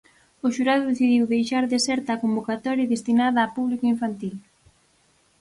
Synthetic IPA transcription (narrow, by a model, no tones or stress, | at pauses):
ʊʃuɾaðʊðeθiðiwðejʃaɾðesɛɾt̪akombokat̪ɔɾjaðest̪inaðaːpuβlikoiɱfant̪il